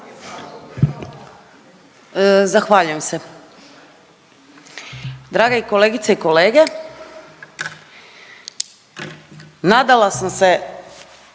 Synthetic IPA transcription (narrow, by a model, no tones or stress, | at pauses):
zaxʋaːʎuje̞mse | d̪ɾaːɡaiko̞leːɡit̪saiko̞leːɡe | naːd̪alasamse̞